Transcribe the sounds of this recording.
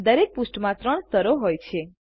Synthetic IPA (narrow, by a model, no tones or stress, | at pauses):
d̪əɾek̚pusʈmãt̪ɾəɳst̪əɾoɦojt͡ʃʰe